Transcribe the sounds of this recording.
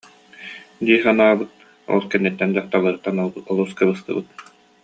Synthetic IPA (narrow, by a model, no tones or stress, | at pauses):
d̪iːχanaːbɯt̪̚ | ɔ̰lˠkɛnːɛt̪ːɛnd̪aχt̪alˠɯɾɯt̪ːanɔɔlˠuskɯbɯskɯ̰bɯt̪̚